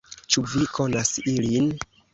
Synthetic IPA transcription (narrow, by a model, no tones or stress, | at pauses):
t͡ʃuvikʰo̞nasilin